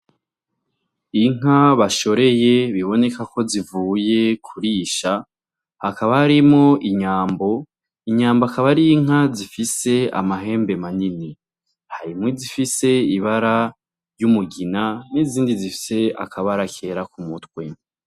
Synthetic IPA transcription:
iŋ̥aβaʃo̞ɾe̞je̞βiβo̞ne̞kako̞zivuːje̞kʰuɾiʃa | hakaβahaɾimŋo̞ʔiɲaːmbo̞ | iɲaːmboakaβaɾiiŋ̥azifise̞a̰maɦe̞ːmbe̞manini | haɾimŋizifise̞iβaɾa | jumuɡinaniziːndizifi̥se̞a̰kʰaβaɾakʰe̞ːɾakumutkwe̞

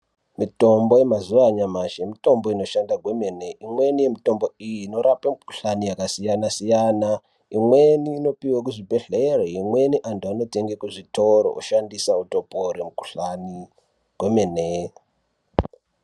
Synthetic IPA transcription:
mito̞mbo̞je̞mazuʋaɲamaʃemito̞mbo̞ino̞ʃandaɡʱwe̞mene̞ʔimwenije̞mito̞mbo̞ijino̞ɾapamuku̥ɬanijakasijanasijana | imwe̞niːno̞piwak̬uʐibʱe̞ɮereimwe̞niʔantuano̞te̞ŋɡekuʐito̞ɾo̰ʔuʃandisauto̞poɾemuku̥ɬani | ɡ̥ʱwemene

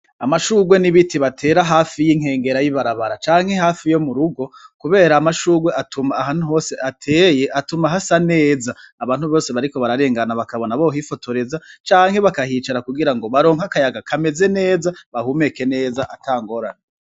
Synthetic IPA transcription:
amaʃuːɡwe̞niβitʰiβatʰe̞ːɾaɦaːfijiŋ̥he̞ːŋɡe̞ɾajiβaɾaβaɾat͡ʃaːŋ̥he̞ɦaːfijo̞muɾuɡo̞kuβe̞ːɾaːmaʃuːɡwe̞ʔatumaːɦan̥uɦo̞ːse̞ʔatʰe̞ːje̞ʔatumaɦasane̞ːzaːβaːn̥huβo̞ːse̞βaɾiko̞βaɾaɾe̞ːŋɡanaβakaβo̞naβoɦifo̞tʰo̞ɾe̞zat͡ʃaːŋhe̞βakahiːt͡ʃaɾakuɡiɾaŋɡo̞βaɾo̞ːŋhakajaɡakʰame̞ze̞ne̞ːzaβahume̞ke̞ne̞ːzaʔatʰaːŋɡo̞ɾa̰ne

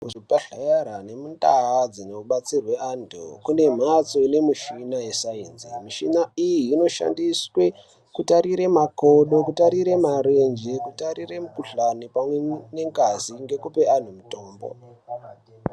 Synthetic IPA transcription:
kuʐipaɬajaɾane̞mundaad͡zineuɓat͡sirwe̞andʰṵkune̞m̤at͡so̞ne̞miʃinajesainzimiʃinaijiːno̞ʃa̰ndiswe̞ | kutaɾiɾe̞makoɗo̞kutaɾiɾe̞maɾend͡ʒe̞kutaɾiremukuɬanipamwene̞ŋɡaziŋɡe̞kupe̞an̤umuto̞ːmbo̰

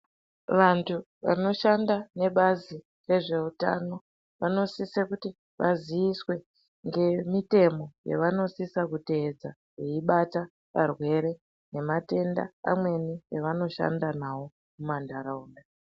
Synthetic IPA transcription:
ʋantʰu | ʋa̰no̞ʃandane̞ɓazi | re̞ʐe̞uta̰no̞ | ʋano̞sisekuti | ʋaziiswe | ŋɡe̞mite̞mo̞jḛʋano̞sisakute̞ːd͡za | jeiɓata | ʋarwe̞ɾe̞ | ne̞mate̞nda̰ːmwe̞nieʋano̞ʃa̰ndanawo̞ | mumandaɾauːnda

